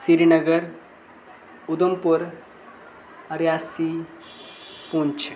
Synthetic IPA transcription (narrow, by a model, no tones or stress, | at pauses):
siɾinəɡəɾ | ʊd̪əmpʊɾ | əɾjaːsi | pũnt͡ʃʰ